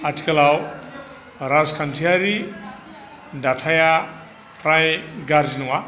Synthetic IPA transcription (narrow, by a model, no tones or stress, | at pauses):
aʈʰi̥kɐlaw | ɾazkʰantʰiaɾi | datʰaja | pɾajɡaɾd͡ʒinuwa